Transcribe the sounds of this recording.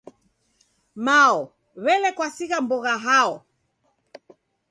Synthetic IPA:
maɔ | βɛlɛkwasiɣambɔɣaɦaɔ

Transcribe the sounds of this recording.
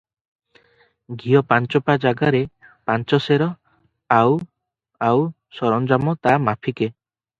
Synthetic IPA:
ɡijɔpant͡ʃɔpad͡ʒaɡaɾe | pant͡ʃɔseɾɔ | aw | aw | sɔɾɔnd͡ʒamɔt̪amapʰike

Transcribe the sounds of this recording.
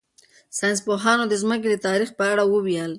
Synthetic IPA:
sɑjns̬poɦɑnod̪əzmək̬ed̪ət̪ɑɾixpəaɽawəwjɑl

